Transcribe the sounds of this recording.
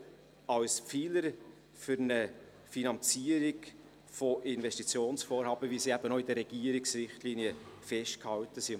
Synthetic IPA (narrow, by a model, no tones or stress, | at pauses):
ɑlsfiːləɾ | fʏɾnə | finɑnt͡siːəɾɪɡ | foʔɪnvɛstit͡sjoːnsfoːɾɦhɑːbəvisiːæbənoidəɾɛɡ̥iəɾɪksrɪχtliːniəfɛʃt̚khɑwtəsi